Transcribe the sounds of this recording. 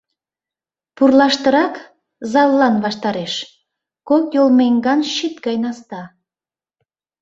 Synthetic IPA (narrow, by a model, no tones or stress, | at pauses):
purlɑʃt̪əɾɑk | zɑlːɑnβɑʃt̪ɑɾeʃ | kokjolmeŋɡɑnʃit̪̚ɡɑjnɑst̪ɑ